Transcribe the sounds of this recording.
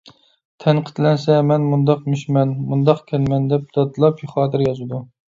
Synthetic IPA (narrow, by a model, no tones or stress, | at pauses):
t̪ʰɛnqʰə̥t̪ʰlɛnsɛmɛnmund̪ɑqmyʃmɛnmund̪ɑqkʲʰɛnmɛnd̪ɛp̚d̪̥ɑt̪ɨlˠɑpjoχɑːt̪ʰɨɾjɑzɨd̪u